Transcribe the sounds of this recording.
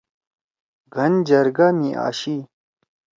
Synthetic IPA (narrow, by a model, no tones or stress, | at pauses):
ɡʱɐnd͡ʑɐɾɡamiʔa̰ːɕi